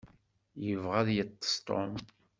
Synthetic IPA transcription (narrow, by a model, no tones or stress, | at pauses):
jəvʁæðjət̪ːə̥st̪o̰m